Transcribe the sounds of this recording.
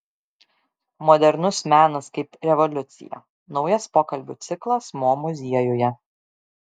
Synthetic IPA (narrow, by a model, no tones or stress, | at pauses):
mɔd̪ʲɛɾnʊsmʲæːnɐskɐɪpɾʲɛʋɔlʲʊt̪sʲɪ̰jɛ̰ | nɒʊjɐspoːkɐlʲbʲṵːt̪sʲɪklˠɐsmoːmʊzʲiɛjʊjɛ